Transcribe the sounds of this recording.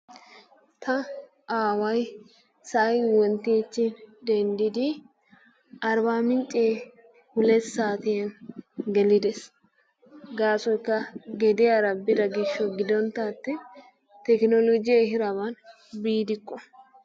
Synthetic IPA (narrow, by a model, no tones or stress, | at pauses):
t̪ʰɐ | ʔaːwɐj | sɐʔjwɔnt̪eːt͡ʃːɪnd̪ɛnd̪ɪd̪ɪ | ʔɐɾbaːmɪnt͡ʃʼːeː | hʊlɛsːaːt̪ɪjɐnɡɛlɪd̪ɛs | ɡaːsɔjkːɐɡɛd̪ɪjaɾɐbɪd̪ɐɡɪʃːɔɡɪd̪ɔnt̪aːt̪ːɪ | t̪ɛknɔlɔd͡ʒɪjaɦɪɾɐbɐn | biːd̪ɪkːɔ